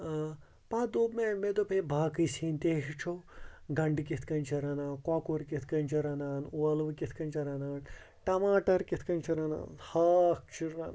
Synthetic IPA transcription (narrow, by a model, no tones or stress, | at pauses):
paːd̪oːpmemed̪opebʱaːkɨjsint̪eːɦit͡ʃʰoɡɐɳɖkʲit̪ʰkɐnt͡ʃʰiɾɐnaːkwaːkuɾkit̪ʰkɐnt͡ʃʰɐɾɐnaːnuɐlʋkʲit̪ʰkɐnʲt͡ʃɐɾɐnaːn | ʈɐmaːʈɐɾkʲit̪ʰkɐnt͡ʃʰiɾɐna̰ːnhaːk̚t͡ʃʰiɾːan